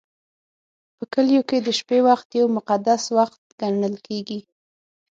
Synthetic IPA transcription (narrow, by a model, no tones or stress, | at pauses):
pəkəljoked̪əʃpewaxt̪jawmʊqad̪aswaxt̪̚ɡ̥aɳəlkʰeɡi